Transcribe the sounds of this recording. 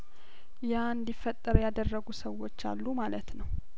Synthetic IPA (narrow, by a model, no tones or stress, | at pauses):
jaɨnd̪ifət̪ʼːəɾjad̪ərːəɡusəwːo̞t͡ʃːa̰lːumalət̪nəw